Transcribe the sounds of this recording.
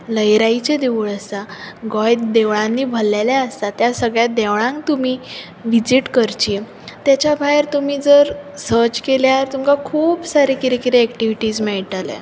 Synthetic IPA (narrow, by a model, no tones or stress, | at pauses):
ləjɾait͡ɕed̪eʋuɭəst̪aɡɔjt̪d̪eʋɭãnːiːbʱəlːalaəst̪at̪jasəɡɭjad̪eʋɭãŋk̚t̪umiː | ʋid͡ʑiʈkəɾt͡ɕiː | t̪jat͡ɕabʱaeɾt̪umiːd͡zəɾsəɾt͡ɕkeljaɾt̪umkakʰuːpsaɾekiɾekiɾeːkʈiʋiʈiːd͡zmɛɭiʈ̪alḛ